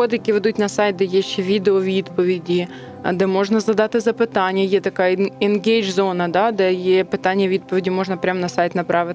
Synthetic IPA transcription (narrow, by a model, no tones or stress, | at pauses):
od̪ɪjɐkʲiʋɛd̪utʲnɐsɑjt̪̚ʲd̪ɛjɛʃːɛʋʲid̪eɔʋʲid̪pɔʋʲidʲḭ | d̪ɛmɔʐnɐzɐd̪ɑt̪ɪzɐpɪt̪ɑnʲjɐjɛt̪ɐkɑɪnɡʲejd͡ʒzonɐd̪ɑd̪ɛjepɪt̪ɑnʲːjɛʋʲid̪̚pɔʋʲɪdʲimɔʐnɐpɾʲamnɐsɑjt̪ʲnɐpɾɑʋɪt̪